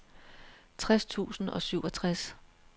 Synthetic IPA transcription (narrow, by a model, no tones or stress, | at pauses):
t͡sʰʁast͡sʰṵːsn̩ɒ̽syʊɒ̽t͡sʰʁas